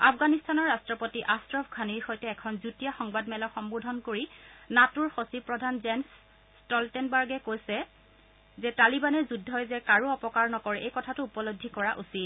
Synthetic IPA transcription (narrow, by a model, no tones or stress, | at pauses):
apɡanistʰanɔɹːastɹɔpotiʔastɹɔbʰɡʰʱaniɹxɔjtɛːkʰɔnzutijaxɔŋbadmɛlɔxɔmbudʱɔnkoɹinatuɹxosipɹɔdʱanzɛns | stɔltɛnbaɹɡɛkojsɛ | zɛtalibanɛzudʱːɔjzɛkaɹuɔpɔkaɹnɔkɔɹɛʔejkɔtʰatʊːpɔlodʱikɔɹaʔusit